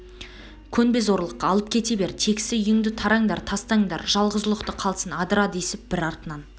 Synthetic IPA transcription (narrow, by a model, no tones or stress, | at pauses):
kʲʰɵnbe̞zo̞ɾlˠəqːɑlˠəp̚kʲʰe̞t̪e̞be̞ɾt̪ʰe̞kʲɪ̥sɪjʏŋd̪ɪt̪ʰɑɾɑŋd̪ɑɾt̪ʰɑst̪ɑŋd̪ɑ̰ɾʒ̥ɑlˠʁəzəlˠəqt̪əqʰɑlˠsənɑd̪əɾɑd̪əesɪp̚b̥ɪɾɑɾt̪ənɑn